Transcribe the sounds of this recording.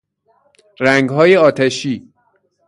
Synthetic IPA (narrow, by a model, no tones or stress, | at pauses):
ɾæŋɡɦɒːjeɒːt̪ʰeʃiː